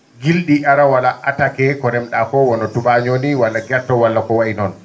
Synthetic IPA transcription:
ɡilɗiʔaɾawalaʔatakɛkɔɾɛmɗakɔwɔnɔtubaɲoniwalːaɡɛɾtːɔwalːakɔwaʔinɔn

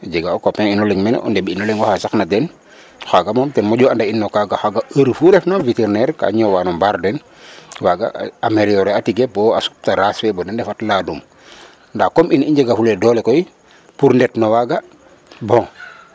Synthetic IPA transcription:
ɟeɡaɔkɔpɛŋinɔliŋmɛn̰ʔɔ̰ndɛbinɔliŋɡɔxasaknadɛn | xaɡamɔmtɛnmɔɟuandainːokaɡaxaɡaəɾfuɾɛfnaviteɾnɛɾka̰ɲɔwanɔmbaɾdɛn | waɡa̰ameɾiɔɾeatiɡebɔasu̥p̚taɾaswɛbɔdɛndɛfatladum | ndakɔminiɲd͡ʒeɡafuledɔːlekɔi | puɾndɛtnowaɡa | bɔ̃ŋ

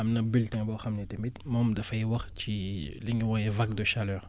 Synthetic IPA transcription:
ɐmnɐbiltɛ̃ŋbɔxɐmnɛtemitmɔmdɐfɐjwɐχciliŋɡiwɔjɛvak̚dəʃalœːʁ

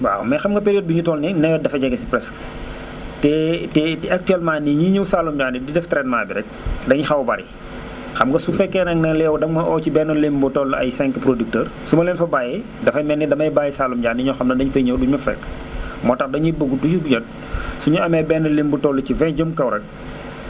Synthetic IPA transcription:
ba̰mɛxɐmɡɐpeɾiot̚buɲutɔːlnɛnɛjɐdɐfɐɟɛɡɐsi̥pɾɛsk | tɛtɛtɛɐk̚tyɛlmaːniɲiɲuwsalumɟaːnididɛftɾɛtmaːbiɾɛc̚dɐŋɲixɐwbɐ̰ɾḭ | xɐmŋɡɐsufɛkːɛnɐŋnɐlɛːwdɐŋmɐʔɔːcibɛnːɐlimbutɔlɐjsɛŋkpɾodik̚təːrsumɐlɛnfɐbaːjɛ | dɐfɐmɛnːɛdɐmɐjbaːjɛsaːlumɟaːndiɲɔxɐmnɐdɐɲfɐjɲɛwduɲmɐfɛ̰kː | mɔːtɐxdɐɲibuɡutut͡ʃubuɟɐt̚ | suɲuɐmɛbɛnɐlimbutɔlːɐcivɛ̃ɟomkɐwɾɐk̚

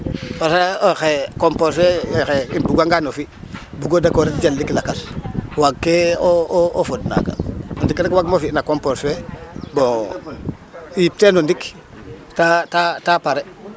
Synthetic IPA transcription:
pasaoxekomposwexeinbuɡaŋɡanofi | buɡodakoɾitd͡ʒalːiklakaswaɡkːeoofodna̰ka̰ondikɾekwaɡmofinakomposebo | jip̚tenondik | tatatapaɾe

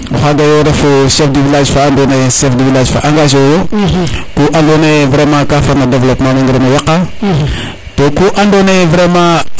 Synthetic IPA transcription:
xaɡajoɾefoʃefdivilad͡ʒfaandoneʃefdivilad͡ʒfa̰ʔaŋɡaʒojokoʔandonevɾemãkafaɾnadevlopmãniŋɡɾenojaka | tokoʔandonevɾemã

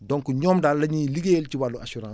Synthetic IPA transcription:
dɔ̃ŋkuɲɔːmdaːllːɐɲiliɡelt͡ʃiwaluasuɾãː

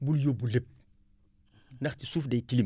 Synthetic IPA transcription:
buljobulep̚ | ndɐxtisuːfdejtilim

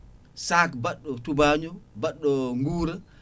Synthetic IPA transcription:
saːkbaɗːɔtubaːɲɔbaɗːɔŋɡuːɾa

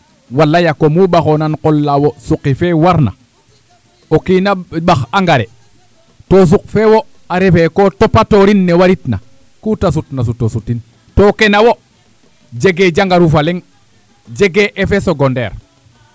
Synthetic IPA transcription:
walːajakomubaxonanqolːawosuqːifewaɾna̰ | okinaɓaxaŋɡaɾe | tos̬uk̚fewo | aɾefekotopatoɾinːewaɾitna̰ | kutas̬utnas̬utːosutin | tokenawo | d͡ʒeɡed͡ʒaŋɡaɾufaleŋ | d͡ʒeɡeʔːfesoɡondḛːɾ

